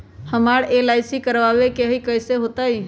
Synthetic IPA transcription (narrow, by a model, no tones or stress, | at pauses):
həmaːɽelaːɪsikəɾʋaʋekeɦikəɪseɦoːt̪aɦiː